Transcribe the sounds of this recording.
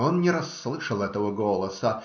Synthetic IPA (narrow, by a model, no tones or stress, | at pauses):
onnʲɪɾɐsːlˠɨʂəlˠɛt̪əvəɡolˠəsə